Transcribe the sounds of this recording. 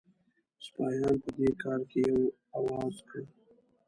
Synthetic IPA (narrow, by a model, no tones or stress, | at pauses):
spɑjɑnpəd̪ekɑɾkejaw | awɑzkə